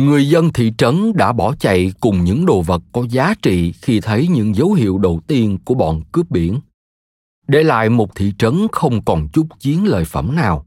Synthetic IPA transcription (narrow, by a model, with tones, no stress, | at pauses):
ŋɨ˨˩əjzə˧nt̪ʰḭ˧˨t͡ɕə˨˦nɗa̰ː˧˥ɓɔ˧˩t͡ɕa̰˧˨jkʊ˨˩ŋ͡mɲɨ̰˧˥ŋɗo˧˨˩və˨˩t̚kɔ˨˦zaː˨˦t͡ɕḭ˧˨xi˧t̪ʰə˨˦jɲɨ̰˧˥ŋzə˨˦wɦḭ˧˨əwɗə˨˩wt̪i˧ənku˧˩əɓɔ̰ː˧˨nkɨ˦˥əp̚ɓi˧˩ən | ɗe˧˩la̰ː˧˨jmo˨˩t̚t̪ʰḭ˧˨t͡ɕə˨˦nxə˧wŋ͡mkɔ˨˩nt͡ɕʊ˦˥k͡p̚t͡ɕi˨˦ənlə̰ː˧˨jfə̰˧˩mnaː˨˩w